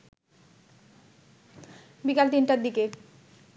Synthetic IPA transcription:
bikalt̪inʈaɾd̪ike

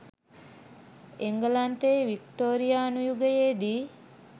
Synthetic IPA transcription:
eŋɡəlant̪eʋikʈoːɾijaːnujuɡəjeːd̪iː

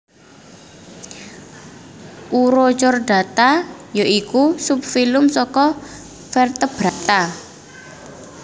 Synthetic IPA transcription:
ʔuɾot͡ʃɔrɖ̥ä̤t̪ajoʔikusup̚filʊmsɔkɔ | fɛrt̪əb̥ɾa̤t̪a

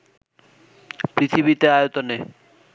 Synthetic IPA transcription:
pɾit̪ʰiβit̪eajot̪one

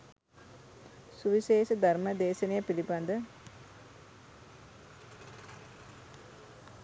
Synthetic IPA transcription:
suʋiʃeːʃəd̪ʱarməd̪eːsənejəpiliband̪ə

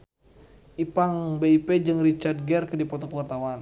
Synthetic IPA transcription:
ʔipaŋbeiped͡ʒɨŋrit͡ʃard̚ɡɛrkədipɔt̪ɔpəwart̪awan

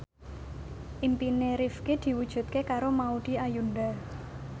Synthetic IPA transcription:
ʔimpineɾifked̪̥i̤wud̥ʒ̥ṳt̪̚kekaɾomaud̪̥i̤ajunɖa

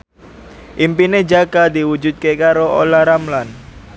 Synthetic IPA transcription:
ʔimpined͡ʒaɡad̪iwud͡ʒut̪̚kekaɾoʔo̰laɾamlan

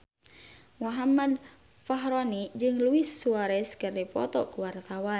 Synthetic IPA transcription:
waɦamad̚ | faɦɾɔnid͡ʒɨŋluisuaɾɛskɨrdipɔ̰t̪ɔkuwart̪awan

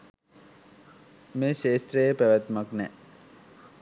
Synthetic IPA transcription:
meːʃeːst̪ɾejəpæʋæt̪maknɛ

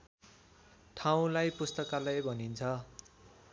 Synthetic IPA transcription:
ʈʰaw̃lajpust̪ʌkalajbʱʌnint͡sʰʌ

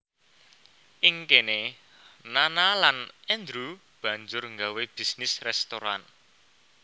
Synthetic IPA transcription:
ʔɪŋkene | nanalanɛnd̪ɾu | b̥ä̤ɲd͡ʒʊrŋɡaweb̥i̤snɪsrɛst̪oɾan

